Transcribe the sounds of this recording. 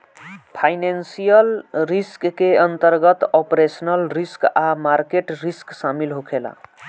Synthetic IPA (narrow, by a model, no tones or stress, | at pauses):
pʰajnensijəlɾiskːeənt̪əɾɡət̪ɔpɾesənəlɾiskamaɾkeʈɾisksamilɦokʰela̰